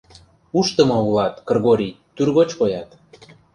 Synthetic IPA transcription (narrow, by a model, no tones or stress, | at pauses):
uʃt̪ə̆mɑulɑt̪kɤ̆rɣoɾʲi | t̪yrɣot͡ɕkojɑt̪